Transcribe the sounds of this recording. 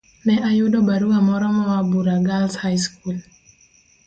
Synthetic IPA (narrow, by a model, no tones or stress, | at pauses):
nɛʔajʊdɔbaɾuwamɔɾɔmɔwabuɾaɡalshajskul